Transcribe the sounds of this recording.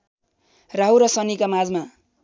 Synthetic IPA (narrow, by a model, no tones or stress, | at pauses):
raɦuɾʌsʌnikamad͡zma